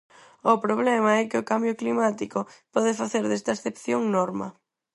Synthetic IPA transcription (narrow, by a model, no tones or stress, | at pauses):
ʊpɾoβlɛmɐɛkɪʊkambjʊklimat̪ikʊpɔðɪfaθeɾðɛst̪ɐesθepθjoŋnɔɾmɐ̰